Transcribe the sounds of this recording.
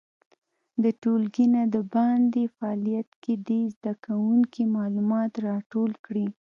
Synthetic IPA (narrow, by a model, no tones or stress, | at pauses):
d̪əʈolɡinad̪əbɑnd̪efaːlijat̪kedezd̪akawuŋkimɑlumɑt̪ɾɑʈolkɽi